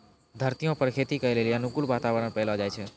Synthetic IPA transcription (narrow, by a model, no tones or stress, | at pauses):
d̪ʱəɾt̪ijõpəɾkʰet̪ikəeleliənukulʋaːt̪aʋəɾəɽ̃pəɦlod͡ʒaːjt͡ʃʰe